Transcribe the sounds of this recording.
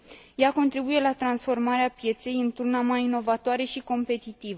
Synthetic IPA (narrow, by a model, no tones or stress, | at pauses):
jako̞nt̪ɾibuje̞lat̪ɾansfo̞rmaɾeapje̞t̪se̞jɨnt̪urnamajino̞vat̪oaɾe̞ʃiko̞mpe̞t̪it̪ivə